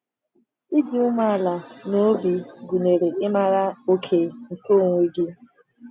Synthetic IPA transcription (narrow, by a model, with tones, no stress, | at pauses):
i˦di˨ʊ˦mʷa˦a˦˨la˨no˦bi˨ɡu˨ne˨ɾe˨ɪ˦ma˨ɾa˦o˦kʰe˨ŋ̩˨ko˦˨ŋʷe˦ɡi˦